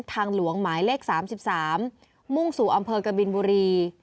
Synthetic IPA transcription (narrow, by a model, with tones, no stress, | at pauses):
t̪ʰaː˧ŋlu˩˦əŋmaː˩˦jleː˥˩k̚saː˩˦msi˨˩p̚saː˩˦mː | u˥˩ŋsuː˨˩ʔa˧mpʰɤː˧ka˧bi˧nbuː˧ɾiː˧